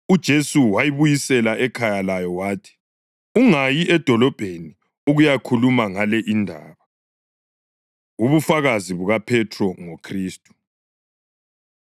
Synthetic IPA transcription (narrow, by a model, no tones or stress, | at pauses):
ud̥ʒ̥ʱesuwajiβujisɛlaʔɛkʰajalajɔwaːtʰi̥ | uŋajiʔɛd̥ʱɔlɔb̥ʱeni | uɣujakʰulumaŋalɛʔindʱaːβa | uβufaɣaziβuɣapʰɛtʰrɔŋokʰriːstʼu̥